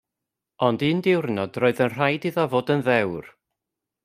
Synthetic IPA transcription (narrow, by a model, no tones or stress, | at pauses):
ɔndiːndɪwrnɔd̥roːɨðənr̥ajdiðavoːdənðɛwr